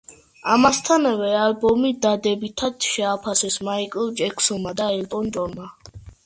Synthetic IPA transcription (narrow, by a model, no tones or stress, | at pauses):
amast̪ʰanvɛalbɔmid̪ad̪ɛbit̪ʰad̪ʃɛapʰasɛsmaikʼɛlˠd͡ʒɛkʰsɔmad̪aɛlt̪ʼɔnd͡ʒɔnma